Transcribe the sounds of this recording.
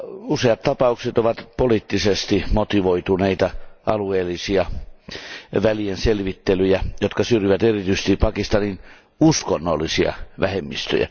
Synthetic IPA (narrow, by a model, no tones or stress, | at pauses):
useɑt̪t̪ɑpɑukset̪oʋɑt̪polit̪ːisest̪imot̪iʋoit̪uneit̪ɑʔɑlueːlːˑisiɑ | ʋælienselʋit̪ːelyjæjot̪kɑsyrjiʋæt̪erit̪yse̥st̪ipɑkist̪ɑnin | uskonːolːisiɑ̰ʋæhemːist̪ø̰jæ̰